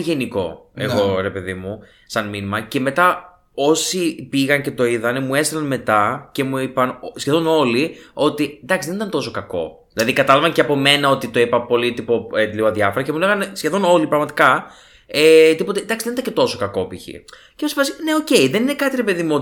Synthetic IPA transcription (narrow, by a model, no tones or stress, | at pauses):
ʝe̞niko̞e̞̰ɣɣo̞ɾe̞pe̞ðimu | sɐnminimɐce̞me̞t̪ɐ | o̞sipiɣɐnce̞t̪o̞iðɐnemue̞st̪elɐnme̞t̪ɐce̞muipɐnsçeðo̞no̞lio̞t̪id̪ɐksiðenit̪ɐnt̪o̞so̞kɐko̞̰ðilɐðikɐt̪ɐlɐvɐnceɐpo̞me̞nɐo̞t̪it̪o̞ipɐpo̞lit̪ipoet̪liɣoɐðʝɐfoɾɐcemule̞ɣɐnesçe̞ðo̞no̞lipɾɐɣmɐt̪i̥kɐ | et̪ipo̞t̪ed̪ɐksiðeit̪ɐcet̪o̞so̞kɐko̞piçḭ | ceosi̥pɐsne̞o̞ce̞iðe̞nine̞kɐt̪iɾepe̞ðimuo